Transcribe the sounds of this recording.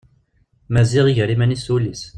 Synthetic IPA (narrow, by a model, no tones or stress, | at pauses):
mæziʁiʝɾimænisulis